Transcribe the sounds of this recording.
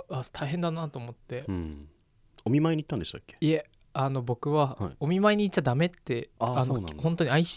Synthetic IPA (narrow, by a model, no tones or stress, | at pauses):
at̪ʰaiɦend̪anat̪oːmo̞t̪ːẽ̞ | omʲimaeɲ̟it̪ːãnd̪eɕt̪a̰kːeie | ano̞bo̞kɯ̟βahiomʲimaeɲ̟iːt͡ɕːad̪ame̞t̪ːe̞aanohont̪o̞ɲiaiɕ